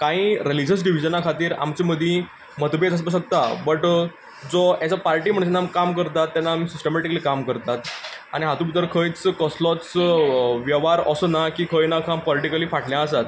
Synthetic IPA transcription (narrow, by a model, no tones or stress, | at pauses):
kãĩːɾelid͡ʑəsɖiʋ̤id͡ʑənakʰat̪iːɾa̰mt͡ɕiməd̪ʱjĩ | mət̪bet͡səs̬bəɕ̬ək̚t̪abəʈ | d͡zɔat͡sapaɾʈiːm̤əɳsenːamkamkəɾt̪at̪ːanːaːmiːsisʈemeʈikəliːkamkəɾt̪at̪a̰ɽ̃iɦat̪ũbit̪əɾkʰəjt͡skəslɔt͡s | ʋjəʋaɾəsənakiːkʰəjnakʰampɔliʈikəliːfaʈʰljãəsat̪